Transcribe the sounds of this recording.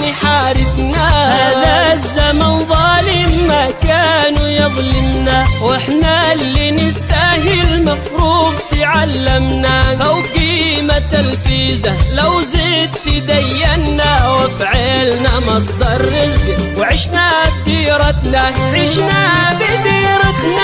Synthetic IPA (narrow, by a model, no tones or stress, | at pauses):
niħaːɾɪbnaʔadazːamanðˤɑːlɪmːakaːnjɨðˤlɪmnawʔɪħnalːinɪst̪ahɪlmafɾuːbt̪ɪʕalːamnaʔawɡiːmat̪alfiːzalawzid̪ːɪd̪ajːanːawɪfʕalnamɑsˤd̪ɑɾˤːɪd͡ʒiwʕɪʃnab̚d̪iːɾɑt̪naʕɪʃnabɪd̪iːɾˤɪt̪na